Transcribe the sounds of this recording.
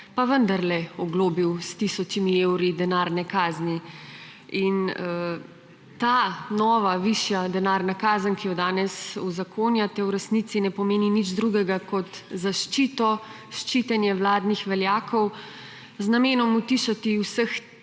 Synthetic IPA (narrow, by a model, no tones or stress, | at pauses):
paʋənd̪aɾlɛɔɡloːbiwst̪isɔt͡ʃimiewɾid̪ɛnaːɾnɛkaːzni | inə | t̪aːnɔːʋaʋiʃjad̪ɛnaːɾnakaːzənkijɔd̪aːnɛsuzakʰoːnjat̪ɛwɾɛsnit̪sinɛpɔmeːninid͡ʒd̪ɾuɡɛɡakɔt̪zaʃt͡ʃiːt̪ɔ | ʃt͡ʃiːt̪ɛnjɛwlaːd̪nixʋɛljaːkʰɔw | znameːnɔmut̪iʃat̪iwsəx